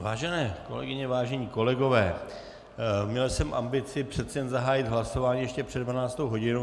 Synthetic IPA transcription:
vaːʒɛnɛːko̞̰lɛ̰ɡɪɲɛvaːʒɛɲiːko̞lɛɡo̞vɛː | mɲɛlsɛmʔa̰mbɪt͡sɪpr̥ɛt̪t͡sɛjɛnzaɦaːjɪt̪ɦlaso̞vaːɲiːjɛʃcɛpr̝̥ɛdvanaːt͡st̪owɦo̞ɟɪno

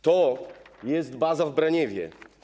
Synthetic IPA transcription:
t̪ɔjɛst̪bazavbɾaɲɛvʲjɛ̰

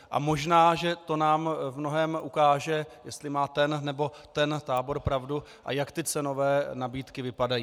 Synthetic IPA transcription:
ʔa̰mo̞ʒnaːʒɛt̪o̞naːmvmno̞ɦɛːmʔukaːʒɛjɛst̪lɪmaːt̪ɛnnɛbo̞ | t̪ɛnt̪aːbo̞ɾpɾavdu | ʔa̰jakt̪ɪt͡sɛno̞vɛːnabiːt̪kɪvɪpadajiː

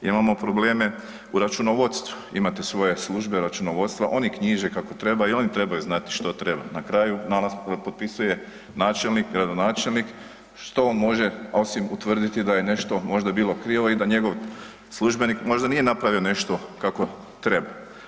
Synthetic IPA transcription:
imamo̞pɾo̞ble̞ːme̞ | uɾat͡ʃuno̞ʋo̞t̪st̪ʋu | imat̪e̞sʋo̞je̞slˠuʒbe̞ɾat͡ʃuno̞ʋo̞t̪st̪ʋaʔo̞nikɲiʒekako̞t̪ɾe̞baio̞nit̪ɾe̞bajuznat̪i̥ʃt̪o̞t̪ɾe̞banakɾaːjunanaspo̞t̪̚pisuje̞ | naːt͡ʃe̞lnikɡɾad̪o̞naːt͡ʃe̞lnik | ʃt̪ooːnmo̞ʒe̞o̞simut̪ʋr̩d̪it̪id̪aje̞ne̞ʃt̪o̞mo̞ʒd̪abiːlˠo̞kɾiːʋo̞id̪aɲe̞ɡo̞ʋ | slˠuʒbe̞nikmo̞ʒd̪anije̞napɾaʋione̞ʃt̪o̞kako̞ | t̪ɾe̞ba

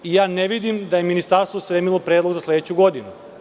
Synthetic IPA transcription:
ijaːneʋid̪imd̪aje̞minist̪aɾst̪ʋospɾeːmilˠopɾed̪lˠoɡzasled̪et͡ɕuɡo̞d̪inu

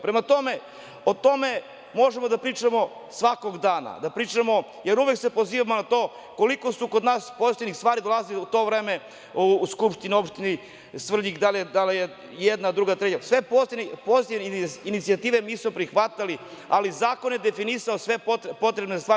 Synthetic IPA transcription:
pɾemat̪o̞me | ot̪o̞me̞ | mo̞ʒemo̞d̪apɾiːt͡ʂamosʋako̞ɡd̪aːna̰d̪apɾiːt͡ʂamo̞ | jeɾuʋeksepo̞ziːʋamonat̪o̞ː | koliko̞sukod̪naːspozist̪enixst̪ʋaːɾid̪o̞lˠaziliut̪o̞ːvɾeːme̞ | uskupʂt̪ineo̞pʃt̪ini | sʋr̩ʎikd̪aled̪alije | jed̪nad̪ɾuɡat̪ɾedelsʋe̞pozit̪inipozit̪ineinit̪siat̪iːʋe̞miːsmopɾixʋat̪alializaːko̞njed̪efinisaosʋe̞popo̞t̪ɾebnezst̪ʋaː

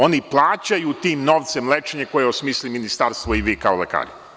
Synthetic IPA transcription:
o̞niplˠaːt͡ɕajut̪iːmno̞ʋt̪se̞mlet͡ʃeɲeko̞jeosmiːsliminist̪aɾst̪ʋoiʋikaoleka̰ːɾi

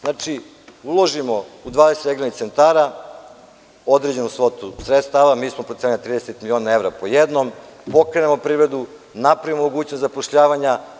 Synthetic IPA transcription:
znaːt͡ʃi | ulˠo̞ʒimo̞ud̪ʋaːd̪eset̪eɡlenit̪se̞nt̪aːɾa | o̞d̪ɾed͡ʑenomsʋo̞t̪usɾet̪st̪aʋamiːsmopɾot̪enelit̪ɾiːd̪eset̪milʲio̞ːnae̞ʋɾapo̞jed̪nompo̞kɾe̞nemo̞pɾiːʋɾed̪u | napɾavimomo̞ɡuːt͡ɕnost̪apoʃʎaːʋaɲa

